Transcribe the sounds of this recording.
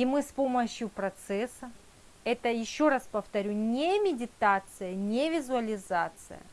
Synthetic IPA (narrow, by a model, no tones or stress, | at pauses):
imɨspo̞məɕjʊpɾɐt̪sɛsːə | ɛt̪əjɪɕːo̞ɾaspəft̪ɐɾʲunʲemʲɪdʲɪt̪at̪sɨjənʲevʲɪzʊɐlʲɪzat̪sɨ̰jə̰